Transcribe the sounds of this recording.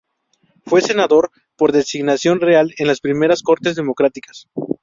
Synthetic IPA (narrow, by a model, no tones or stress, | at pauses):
fwe̞se̞naðo̞ɾ | po̞ɾðe̞siɣnasjo̞nreale̞nlaspɾime̞ɾasko̞ɾt̪e̞zðe̞mo̞kɾat̪ikḁs